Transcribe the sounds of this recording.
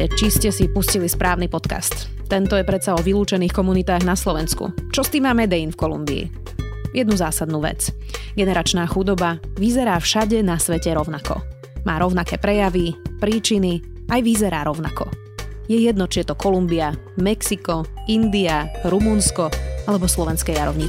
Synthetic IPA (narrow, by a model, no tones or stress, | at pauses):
t͡ʃiscɛsipuscilispɾʔaːʊnipɔt̪ka̰st̪ | t̪ːɛnt̪ɔjɛpɾɛt̪saɔʋiluːt͡ʃɛniːxkɔmunit̪aːɣnaslɔʋɛnskṵt͡ʃɔst̪iːmaːmɛd̪ɛjinfkɔlṵmbḭː | jɛd̪nuzaːsad̪nuːʋɛ̰t͡s | ɡɛnɛɾat͡ʃnaːxud̪ɔbaʋizɛɾaːfʃaɟɛnasʋɛcɛɾɔʊnakɔ̰ | maːɾɔʊnakɛːpɾɛjaʋipɾiːt͡ʃini | ajʋizɛɾaːɾɔʊna̰kɔ̰ | jɛjɛd̪nɔt͡ʃiɛt̪ɔkɔlumbiamɛksikɔind̪iaɾumunskɔalɛbɔslɔʋɛnskɛjaɾɔʊɲi